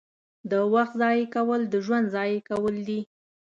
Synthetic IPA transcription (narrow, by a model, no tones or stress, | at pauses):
d̪əwaxt̪zɑjekawəld̪əʒwand̪zɑjekawəld̪i